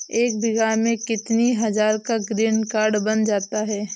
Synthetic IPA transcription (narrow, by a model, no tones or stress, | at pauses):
eːk̚bɪɡaːɾmẽkɪt̪niɦɐd͡ʒaːɾkaɡɾiːnkaːɾɖbɐnd͡ʒaːt̪aɦɛː